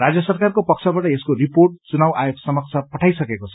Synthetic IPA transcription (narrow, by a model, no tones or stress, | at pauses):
rad͡zjʌsʌrkarkopʌk̚t͡sʰʌbaʈʌeskoɾiporʈ̚t͡sunawʔajekʰsʌmʌkt͡sʰapʌʈʰajsʌkekot͡sʰʌ